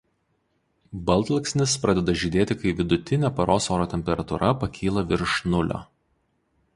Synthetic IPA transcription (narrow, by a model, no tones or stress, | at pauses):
bɐlʲˠt̪lˠksʲnʲɪspɾɐd̪ʲɛd̪ɐʒʲɪd̪ʲeːt̪ʲɪkɐɪʋʲɪd̪ʊt̪ʲɪnʲɛːpɐɾoːsoːɾoːt̪ʲɛmʲpʲɛɾɐt̪ʊɾʔɐpɐkʲʰiːlˠɐʋʲɪɾʃnʊlʲo̰ː